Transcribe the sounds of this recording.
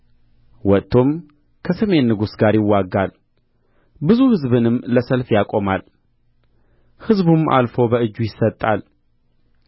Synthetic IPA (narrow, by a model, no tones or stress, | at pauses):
wɔt̪ʰːo̞m | kʰəsəme̞nːɨɡusɡaɾjɪwːaɡːal | bɨzuhɨzβɨnɨmːləsəlfjakʼo̞mal | hɨzbumʔa̰lfo̞bəɨd͡ʒːujɪsːət̪ʼːal